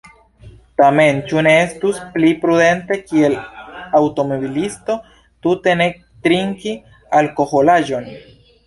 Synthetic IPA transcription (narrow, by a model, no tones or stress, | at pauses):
t̪ame̞nt͡ʃuneest̪usplipɾuðe̞nt̪e̞kie̞lawt̪o̞moβilist̪o̞ | t̪ut̪e̞nek̚ | t̪ɾiŋki | alko̞xolaʒo̞n